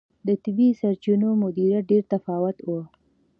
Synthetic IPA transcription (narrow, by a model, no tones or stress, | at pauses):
d̪ət̪ɪbisaɾt͡ʃunomʊd̪iɾaɖeɾt̪afɑwʊt̪wo